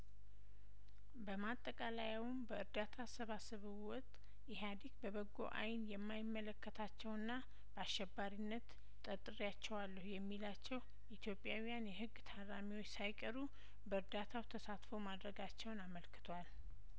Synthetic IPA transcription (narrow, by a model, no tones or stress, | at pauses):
bəmat̪ʼːəkʼalajawmbəɨɾd̪at̪ʰasəβasɨβɨwɔt̪ʼ | ɪɦad̪ikbəβəɡːo̞̰ʔa̰jnjɛmːajɪmːələkːət̪ʰat͡ʃːɛwɨnːa | b̥əaʃɛbːaɾinːət̪ | t̪ʼːət̪ʼɨɾjat͡ʃːɛwalːəhujɛmːilat͡ʃːɛw | ʔit̪ʰjo̞pʼːjawijanjɛɦɨɡːt̪ʰaɾamiwot͡ʃːsajkʼəɾu | bəɨɾd̪at̪ʰawt̪ʰəsat̪fo̞mad̪ɾəɡat͡ʃːɛwnaməlkɨ̥t̪ʰwal